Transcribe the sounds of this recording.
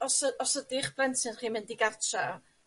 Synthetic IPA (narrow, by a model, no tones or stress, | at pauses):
ɔsəɔsədɪχb̥rɛntʰɪnχiːmɪndiɡartʰra